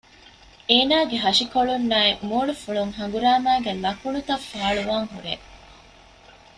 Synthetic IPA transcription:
eːnaːɡeɦɐʃikoɭunːaːemoːɭufuɭuŋɦɐŋ̆ɡuɾaːmæːɡelɐkuɳut̪ɐfːaːɭuʋaːŋɦuɾeː

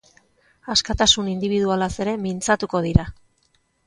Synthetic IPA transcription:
askat̪asunind̪iβiðualase̞ɾe̞mint͡sat̪uko̞ð̞iɾa

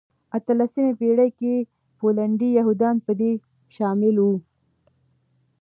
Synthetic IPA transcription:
at̪əlasəmepeɽəjke | polaɳɖijaɦud̪ɑnpəd̪e | ʃɑmɪlwu

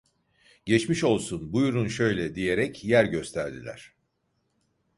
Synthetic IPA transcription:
ɟɛt͡ʃmiʃo̞lˠsunbujɾunʃø̞jlʲɛd̪ije̞ɾɛcjæɾɟø̞st̪ʰæɾd̪ilʲæ̰ɾ̝̥

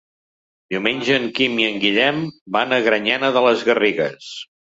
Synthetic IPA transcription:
d̪iuwmeɲʲʒəːŋkimiəŋɡiʎɛmbanəɣɾəɲɛnəðələzɣəriɣəs

